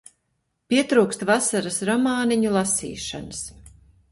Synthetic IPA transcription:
pʲiɛt̪ɾuːkst̪vasaɾasɾɔmaːniɲulˠasḭːʃa̰nas

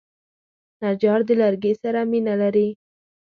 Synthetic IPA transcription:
nad͡ʒɑɾd̪əlaɾɡesaɾaminalaɾi

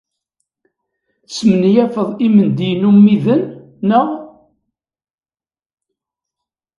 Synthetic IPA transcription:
smənjæfəðˤimənd̪ijnumːiðənː | əʁ

